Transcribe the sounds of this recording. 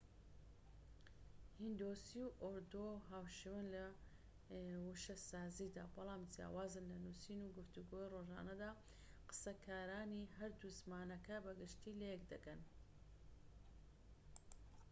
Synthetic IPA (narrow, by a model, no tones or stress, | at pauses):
hind̪oːsiwʔoɾd̪oɦaːwʃewanlɐ | wuʃɐsaːziːd̪a̰bɐlˠaːmd͡ʒja̰ːwaːzɨnlɐnusiːnuɡɨft̪uɡoːjiroʒa̰ːnɐd̪aː | qɨ̥sɐkʰaːɾaːniɦɐɾd̪uzmaːnɐkɐbɐɡɨʃt̪iːlejɛk̚d̪ɐkɐn